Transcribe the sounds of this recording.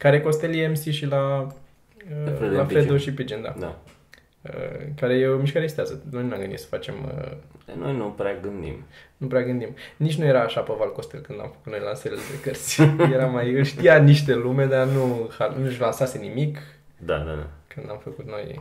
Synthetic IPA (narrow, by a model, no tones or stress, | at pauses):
kaɾeko̞st̪elieemsiʃila | elafɾed̪oʃipid͡ʒind̪a̰d̪a̰ | ə̰kaɾejeomiʃkaɾest̪easəno̞jnunamɡɨnd̪it̪sə̥fat͡ʃe̞̰mə̰a̰no̰jnupɾeaɡɨnd̪ḭmnupɾeaɡɨnd̪imnit͡ʃʲnujeɾaːʃapovalko̞st̪elkɨnd̪a̰mfə̥kut̪no̞jlanseled̪ekərt̪sʲjeɾamajɨlʃt̪ijaniʃt̪elume̞d̪anuhalnuʃlansase̞nimik | d̪a̰d̪aa̰kɨnd̪amfəkut̪no̞̰j